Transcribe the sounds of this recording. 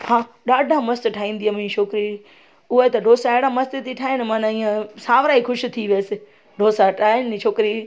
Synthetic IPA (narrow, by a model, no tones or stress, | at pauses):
hãːɗaːɖʱamɐst̪ʈʰaːĩːnd̪iamiʃʰokɾi | ʊɦət̪ɐɖʱoːsaeɽamɐst̪et̪iʈʰaːɪnɪmãːnãĩːə̃sãːʋɾaːixʊʃɪ̆t̪ʰiʋeːsɪ | ɖʱoːsaʈʰaːɪnit͡ʃʰoːkɾi